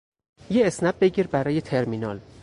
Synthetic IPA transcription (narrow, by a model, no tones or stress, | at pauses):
jeːsnæb̚be̞ɟiːɾbæɾɒːje̞t̪ʰe̞ɾminɒːl